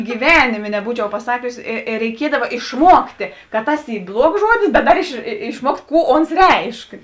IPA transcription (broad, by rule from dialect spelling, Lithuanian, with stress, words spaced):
ɡʲiːˈʋʲæːnʲɪmʲeː nʲɛˈbuːt͡ʃʲɛʊ pɐˈsɑːkʲʊs ɪ ɪr rʲɛɪˈkʲiɛdɐʋɐ ɪʃˈmuɔktʲeː kɐ ˈtɐs ˈiː ˈblˠuɔks ˈʒuɔdʲɪs bʲɛt ˈdɐr ɪʃ ɪʃˈmuɔktʲ ˈkuː ˈoːns ˈrʲɛɪʃk